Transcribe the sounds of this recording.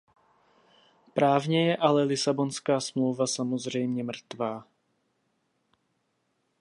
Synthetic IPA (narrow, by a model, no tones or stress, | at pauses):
pɾaːvɲɛjɛʔalɛlɪsabonskaːsmlowvasamozr̝ɛjmɲɛmr̩t̪vaː